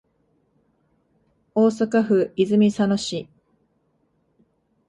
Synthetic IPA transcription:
oːsakaɸɯ̟izɨmʲisanoɕi

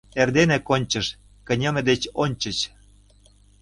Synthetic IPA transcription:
erd̪enĕkonʲt͡ɕə̆ʃ | kə̆nʲɤ̆mĕd̪et͡ɕonʲt͡ɕə̆t͡ɕ

